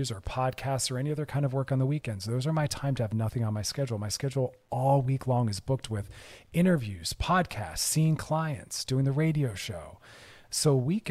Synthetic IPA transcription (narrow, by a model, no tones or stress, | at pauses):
zə˞pʰɑd̚kʰæstsə˞ɛniʌðə˞kʰãɪ̃ndʌvwɜ˞kn̩ðəwikɛ̃ndzðoʊzə˞maɪtʰãɪ̃mtʰɨːvnʌθɪ̃ŋə̃nmaɪskɛd͡ʒl̩ˠmaɪskɛd͡ʒl̩ˠ | ʔɔlˠwikʰlɔ̃ŋɨzbʊk̚t̚wɪð̥ɪ̃ɾ̃ə˞vjʉz̥pʰɑd̚kʰæ̰stsiɪ̃ŋkʰl̥aɪɨ̰̃ntsd̥ʉɪ̃ŋðɨɹeɪɾioʊʃoʊ | soʊwik